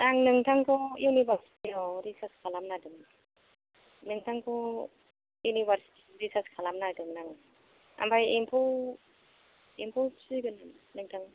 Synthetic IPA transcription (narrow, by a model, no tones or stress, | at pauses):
naŋnɯŋtʰaŋkʰɔjunibaɾsi̥tiɔwɾisaskʰalamnadɯŋ | nɯŋtʰaŋkʰɔ | junibaɾsi̥tiɾisaskʰalamnadɯŋnaŋ | a̰mbʰajimpʰɔ | impʰɔsʰɯɡɯn | nɯŋtʰaŋ